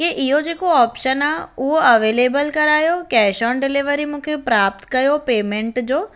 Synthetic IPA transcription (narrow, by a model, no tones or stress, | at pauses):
keʔɪɦod͡ʑeːkoɔːpʃənaʊɦoɐʋeːleːbəlkɐɾaːjokɛːʃɔːnɖɪliʋəɾimũːkʰepɾaːp̚t̪kɐjopeːmẽɳʈd͡ʑoː